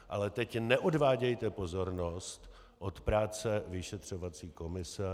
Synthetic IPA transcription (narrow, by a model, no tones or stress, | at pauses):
ʔalɛt̪ɛcnɛʔo̞dvaːɟɛjt̪ɛpo̞zo̞ɾno̞st̪ | ʔot̪pɾaːt͡sɛvɪʃɛt̪r̝̥o̞vat͡siːko̞mɪsɛ